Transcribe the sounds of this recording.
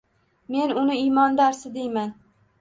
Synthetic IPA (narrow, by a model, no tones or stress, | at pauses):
me̞nʊnɪijmɒnd̪aɾsɪd̪ejman